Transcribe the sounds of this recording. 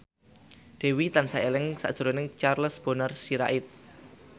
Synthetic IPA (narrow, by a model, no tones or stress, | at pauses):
d̪̥e̤wit̪ansaelɪŋsa̰ʔd̥ʒ̥əɾonɪŋt͡ʃarləsb̥o̤nərsiɾa̰ʔɪt̪̚